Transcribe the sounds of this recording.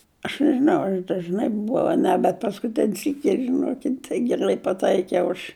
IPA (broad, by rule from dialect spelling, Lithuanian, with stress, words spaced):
ɐʃ nʲɛʒʲɪˈnɐʊ ɐr ɐʃ dɐʒˈnɐɪ bʊˈʋɐʊ ɐ ˈnʲɛ bʲɛt pɐskʊˈtʲɪnʲ sʲiːkʲ kʲiɛk ʒʲɪˈnoːkʲɪtʲ tɐɪ ɡʲɛrˈlˠɐɪ pɐˈtɐɪkʲɛʊ ɐʃ